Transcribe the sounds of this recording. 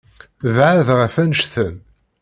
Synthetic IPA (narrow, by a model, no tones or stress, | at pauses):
vʕaðʁəfænʃθən